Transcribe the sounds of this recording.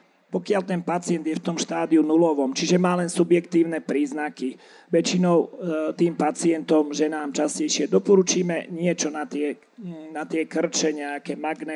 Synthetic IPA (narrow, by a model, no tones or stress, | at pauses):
pɔkɪalt̪ɛnpat͡sɪɛnd̪jɛft̪ɔmʃt̪aːd̪iunulɔʋɔmt͡ʃiʒɛmaːlɛnsubjɛkt̪iːʊnɛpɾiːznaki | ʋɛt͡ʃinɔʊt̪iːmpat͡sɪɛnt̪ɔmʒɛnaːmt͡ʃascɛjʃɪɛd̪ɔpɔɾut͡ʃiːmɛɲɪɛt͡ʃɔnat̪ɪɛ | nat̪ɪɛkr̩t͡ʃɛɲɛakɛːmaɡnɛ